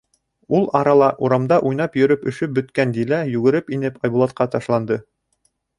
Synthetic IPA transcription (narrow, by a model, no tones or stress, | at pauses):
ulˠɑɾɑlˠɑʔuɾɑmd̪ɑʔujnɑpjɵ̆ɾɵpɵ̆ʃɵp̚bɵ̆t̪kænd̪ilæjʉɡɘ̆ɾɘpinɘpɑjbulˠɑt̪̚qɑt̪ɑʃlˠɑnd̪ɤ